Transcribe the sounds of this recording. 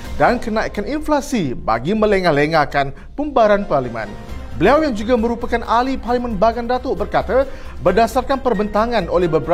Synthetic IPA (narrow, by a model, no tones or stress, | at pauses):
dankənaikaninflasiba̰ɡimə̃ləŋahleŋakan | pumbaɾanparlimɛ̰̃n | bəliawjaŋd͡ʒuɡamə̃ɾupakanʔaliparlimanbaɡandat̪obərkat̪a | bərdasarkanpərbənt̪aŋanolɛhbəbəɾ